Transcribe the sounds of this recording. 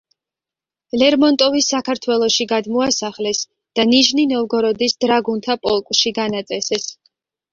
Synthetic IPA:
lɛɾmɔnt̪ʼɔvisːakʰaɾt̪ʰwɛlˠɔʃiɡad̪mɔasaχlɛs | d̪̥aniʒninɔlɡɔɾɔd̪isd̪̥ɾaɡunt̪ʰapʼɔlˠkʼʃiɡanat̪sʼɛsɛs

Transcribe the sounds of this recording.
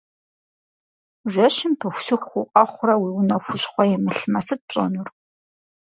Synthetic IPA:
ʒʷɐʃɪmpʰɨxʷsɨxʷʊqʼɐχʷʊrɐwiːwʊnɐxʷʊɕχʷɔjɛmɨɬmɐsɨt̚t͡ɕʼɐ̰nur

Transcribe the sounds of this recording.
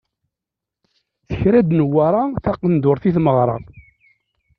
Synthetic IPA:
θəçɾæd̪nəwːaɾˤɑθɑqːənd̪ʊɾˤθiθməʁɾˤɑ̰

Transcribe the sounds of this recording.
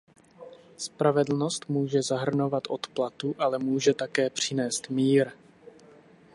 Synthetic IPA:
spɾavɛdl̩no̞st̪muːʒɛzaɦr̩no̞vat̪ʔo̞t̪plat̪uʔalɛmuːʒɛt̪akɛːpr̝̥ɪnɛːst̪miːɾ

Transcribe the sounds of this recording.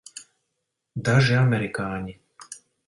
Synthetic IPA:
d̪aʒiamɛɾikaːɲi

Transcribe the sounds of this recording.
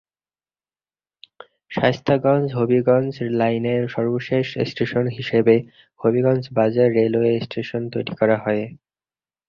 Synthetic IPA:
ʃast̪ʰaɡɔnd͡ʑɦobiɡɔnt͡ɕlajneɾʃɔɾboʃeʃesʈeʃonɦiʃebe | hobiɡɔnt͡ɕbad͡ʑaɾːeloesʈʰeʃont̪ojɾikɔɾaɦɔe

